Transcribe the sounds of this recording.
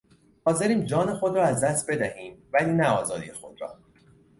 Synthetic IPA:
hɒːze̞ɾiːmd͡ʒɒːne̞xod̪ɾɒːæzd̪æst̪̚be̞d̪æhiːmvæliːnæɒːzɒːd̪ḭjexo̞d̪̥ɾɒ̰ː

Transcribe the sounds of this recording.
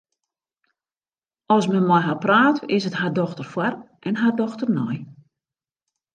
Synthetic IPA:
ɔsmənmɔjɦapraːtɪsətɦardɔxtərfwar | ʔɛnɦardɔxtərnɔj

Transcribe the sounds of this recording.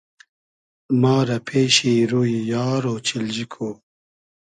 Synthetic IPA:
mɑːɾapʰeːɕiɾujijɑːɾoːt͡ɕʰild͡ʑikʰoː

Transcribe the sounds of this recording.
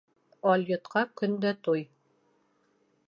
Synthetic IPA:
ɑlʲjŏt̪qɑkɵ̆nd̪æt̪uj

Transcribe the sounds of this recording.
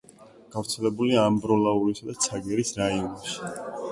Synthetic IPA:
ɡ̥avɾt̪sʰɛlɛbuliaːmbɾɔlauɾisad̪at̪sʰaɡɛɾisɾainɔʃi̥

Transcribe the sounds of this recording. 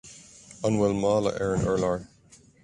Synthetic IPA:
ɑnwɛlmɑːlə̰ʔɛɹə̃nʔɜ˞laɹ

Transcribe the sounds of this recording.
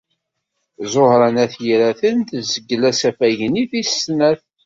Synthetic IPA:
zˤohɾənæθjɾæθənt̪zəɡːəlæsæfæʝəniθisːnæθ

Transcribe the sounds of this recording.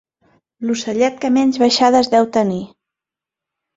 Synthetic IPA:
lusəʎɛt̪̚kəmɛɲd͡ʒβəʃaðəzðɛwt̪əni

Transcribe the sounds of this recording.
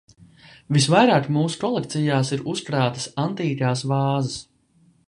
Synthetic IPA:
visvajɾaːkmuːsu̥kɔlˠek̚t̪sijaːsiɾuskɾaːt̪ə̥sant̪iːkaːsvɑːzɐs

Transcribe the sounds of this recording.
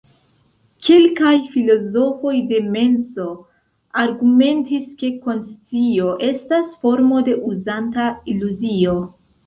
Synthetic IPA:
ke̞lkajfilo̞zo̞fo̞jde̞me̞nso̞ | aɾɡume̞ntiske̞ko̞nst͡sio̞ʔe̞stasfo̞ɾmo̞de̞ʔuzantailuzio̞

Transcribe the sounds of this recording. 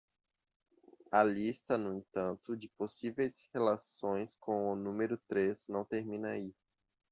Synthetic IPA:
ɐlist̪ɐnʊẽt̪ɐ̃nt̪ʊd͡ʒɪposivejshelasõj̃skʰõw̃ʊnũmeɾʊt̪ɾeznɐ̃w̃t̪eɾmĩnɐi

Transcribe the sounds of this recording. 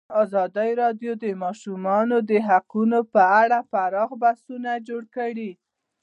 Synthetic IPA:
ɑzɑd̪ajɾɑdjod̪əmɑʃumɑnod̪əɦaqunopəaɽafaɾɑɣbasunad͡ʒoɽkəɽi

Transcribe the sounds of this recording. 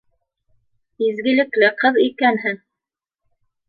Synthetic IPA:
izɡɘ̆lɘ̆klɘqɤðikænɦɘŋ

